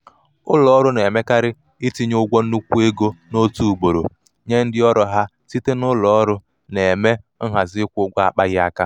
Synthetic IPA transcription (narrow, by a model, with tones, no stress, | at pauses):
ʊ˦lɔ˨ɔ˦ɾʊ˦ne˨me˦ka˦ɾɪ˦ | ɪ˦ti˦ɲʊ˦ɡʷo˦n̩˦u˦kʷu˦e˦ɡo˦no˦tu˦u˨ɡ͡bo˨ɾo̰˨ | ɲe˦n̩˦dɪ˦ɔ˦ɾɔ˨ɦa˦ | ti˦te˦nʊ˦lɔ˨ɔ˦ɾʊ˦ | ne˨me˦ŋ̩˦ɦa˨zɪ˦kʷʊ˦ɡʷa˦a˦k͡pa˦ɣɪ˦a̰˦ka˦